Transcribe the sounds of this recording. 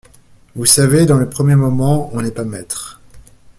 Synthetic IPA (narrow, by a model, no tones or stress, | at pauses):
vusaved̪ɑ̃lepχəmjemɔmɑ̃ɔ̃nɛpamɛt̪χ